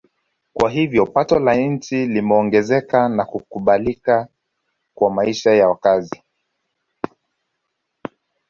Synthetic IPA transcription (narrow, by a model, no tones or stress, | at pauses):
kwaɦivjɔpatɔlann̩t͡ʃilimɛɔŋɡɛzɛkanakukuɓalika | kwamaiʃajawakazi